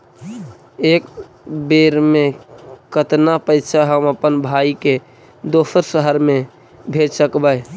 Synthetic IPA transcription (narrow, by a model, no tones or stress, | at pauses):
ek | beɾmekət̪napəɪt͡ʃʰaɦəməpənbʱaike | d̪osəɾsəɦəɾme | bʱeɾsəkbəj